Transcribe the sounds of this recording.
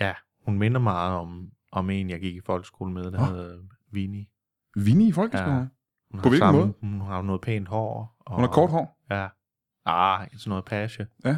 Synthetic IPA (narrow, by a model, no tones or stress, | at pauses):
jæ | hunme̝nɐmɑ̈ːð̞̩ˠɒ̽m | ʔɒ̽me̝̰ːnjɑ̈ɪɡ̥iɡ̥ifɒ̽l̰ɡ̥sɡ̥o̝ːləmeð̞ˠd̥æheðˠ | ʋini | ʋinifɒlɡ̥s | hunhpɒʋeslɑ̥nmɔð̩ˠhunhuɑ̈nɔ̽ːðˠpʰḛːnd̥hɒ̰ːɒ̽unɑkʰɒːd̥hɒ̰ːjæ | ɑesnɔð̩ˠpʰæɕəjæ